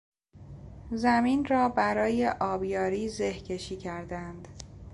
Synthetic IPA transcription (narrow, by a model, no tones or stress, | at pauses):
zæminrɒːbæɾɒːjeʔɒːbjɒːɾiːzehcʰe̞ʃiːcʰæɾd̪ænd̪̥